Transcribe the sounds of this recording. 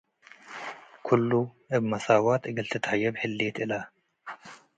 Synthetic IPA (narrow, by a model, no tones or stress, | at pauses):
kʰulːuʔɨbmɐsawat̪ɨɡɨlt̪ʰɐt̪ʰhajɐβħɨlːet̪ɨla